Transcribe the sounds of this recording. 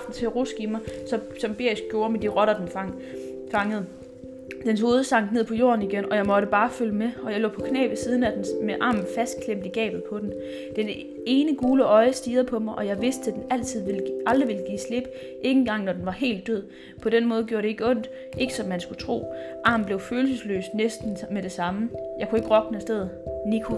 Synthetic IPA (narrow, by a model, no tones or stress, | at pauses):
fd̥n̩t͡sʰe̝ʁusɡ̥imɑɪsɒ̽ | sɒ̽mb̥e̝ɐis̚ɡ̥jo̝ːɐmed̥iʁɒ̽ɾ̥ɐd̥enfŋ | fɑ̈ŋəð̞̩ˠ | d̥ensho̝ːð̞̩ˠəsɑ̈ŋ̰d̥ne̝ð̰ˠpʰɒ̽jo̝̰ːɐn̩iɡ̥enɒ̽jɑ̈ɪmɒ̽ɾ̥əb̥ɑ̈ːføləmeɒ̽jɑ̈ɪlɔ̰ːpʰɒ̽kʰnɛ̰ːb̥ðesiːð̞ˠn̩æd̥enmeʔɑ̰̈ːmn̩fæsd̥̚kʰlem̰d̥iɡ̥ɛ̰ːb̥ð̩ˠpʰɒ̽d̥en | d̥en | e̝ːnəɡ̥uːləʔɒ̽ɪəsd̥iːɐð̞ˠpʰɒ̽mɑɪʔɒ̽jɑɪʋe̝sd̥̚t͡sʰed̥enæl̰t͡sʰið̰ˠʋelʔɑ̈ld̥ʁiʋe̝lɡ̥ḭːsle̝b̥ | ʔe̝ŋn̩ɡ̥ɑ̈ŋ̰nɒd̥enʋɑ̈ɦe̝̰ːld̥ːøð̰ˠ | pʰɒ̽d̥enmɔ̽ːðˠɡ̥jo̰ɐɾe̝e̝ɡəɔ̽n̰d̥ | e̝ɡ̥əsɒ̽mːænsɡ̥ut͡sʰʁo̝̰ːʔɑ̈ːm̩b̥le̝ʊføːlsəslø̰ːsnesd̥n̩meɾe̝sɑ̈məjɑ̈ɪkʰue̝ɡ̥əʁɒ̽ɡ̥nəsd̥eð̞̰ˠnikʰo̝